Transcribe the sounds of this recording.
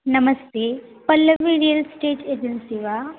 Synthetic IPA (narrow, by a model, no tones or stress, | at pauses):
nɐmɐst̪eːpɐlːɐʋiɖijɐlsʈeːʈeːd͡ʒɐnsiʋaː